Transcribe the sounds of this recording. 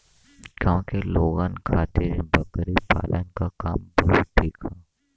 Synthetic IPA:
kjõːkeloːɡaːnkʰaːt̪ɪɾbɐkɾipa̰ːlənkakaːmbɔɦɔt̪ʈʰːiːkʰaː

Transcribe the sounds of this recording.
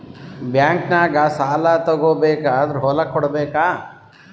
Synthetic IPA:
bjaːŋknaːɡasaːlaːt̪ɐɡoːbeːkaːd̪ɾɦoːlakʰɔɽbeːkaː

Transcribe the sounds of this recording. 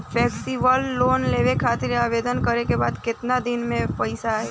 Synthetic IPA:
pʰɛːksiʋəlːoːnleːʋekʰaːt̪ɪɾaːʋeːd̪ənkəɾekebaːd̪kɪt̪nad̪ɪnmẽpəɪsaɦɛ

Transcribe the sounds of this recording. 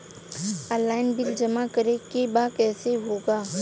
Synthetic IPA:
aːlaːɪnbɪld͡ʒɐmakəɾekebaːkɛːseɦoːɡaː

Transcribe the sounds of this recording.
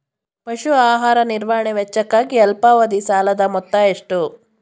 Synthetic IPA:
pɐʃuaːɦaːɾɐniɾʋɐɦɐɳeʋɛt͡ʃːɐkːaːɡiɐlpaːʋɐd̪isaːlɐd̪ɐmɔt̪ːɐeʂʈu

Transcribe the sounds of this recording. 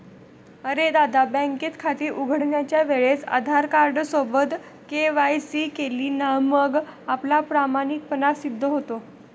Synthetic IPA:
əɾed̪ad̪abɛ̃ŋket̪kʰat̪iːɾʔuɡʱəɽɳjat͡ɕjaʋeɭet͡sa̰d̪ʱaɾkaɾɖsobəd̪ | keʋajsiːkeliːnaməɡaplapɾamanik̚pənasid̪ʱːəɦot̪o

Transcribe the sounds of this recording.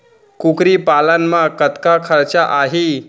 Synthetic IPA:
kukɾiːpalanmakət̪kakʰəɾt͡ɕaʔaɦi

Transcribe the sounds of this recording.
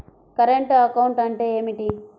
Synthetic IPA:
kɐɾeɳʈɐkɐwɳʈɐɳʈe̞ːeːmiʈi

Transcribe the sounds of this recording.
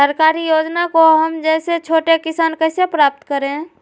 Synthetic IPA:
əɾkaːɾijoːd͡ʒnakoɦəmd͡ʒɛːset͡ʃʰoːʈekɪsaːnkəsepɾaːp̚t̪kəɾẽ

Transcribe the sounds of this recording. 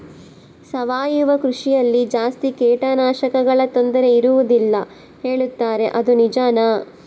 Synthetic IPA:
sɐʋaːjuʋɐkɾuʂijɐlːid͡ʒaːst̪ikɛːʈɐnaːʃɐkɐɡɐɭɐt̪o̞nd̪ɐɾe̞iɾuʋud̪ilːɐ | he̞ːɭut̪ːaːɾe̞ʔɐd̪unid͡ʒaːnɐ

